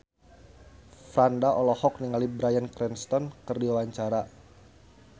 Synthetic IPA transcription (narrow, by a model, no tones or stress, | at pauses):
fɾandaʔɔlɔhɔk̚niŋalibɾajankɾɛnst̪ɔnkərdiwawaɲt͡ʃaɾa